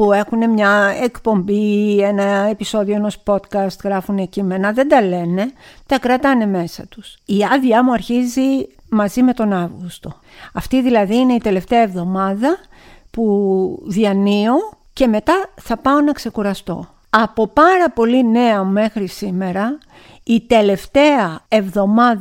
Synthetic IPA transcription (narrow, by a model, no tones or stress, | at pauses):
pue̞xune̞mɲɐe̞kpo̞mbie̞nɐe̞piso̞ðio̞e̞no̞spo̞t̪kɐst̪ɣɾɐfunecime̞nɐðe̞nd̪ɐle̞ne̞t̪ɐkɾɐt̪ɐne̞me̞sɐ̰t̪u̥siɐðiɐmuɐɾçizi | mɐzime̞t̪o̞nɐvɣust̪o̞ | ɐft̪iðilɐðiine̞it̪e̞le̞ft̪eɐe̞vðo̞mɐðɐpuðiɐnio̞ | ce̞me̞t̪ɐθɐpɐo̞nɐkse̞kuɾɐst̪o̞̰ | ɐpo̞pɐɾɐpo̞line̞ɐme̞xɾisime̞ɾɐ | it̪e̞le̞ft̪e̞ɐe̞vðo̞mɐð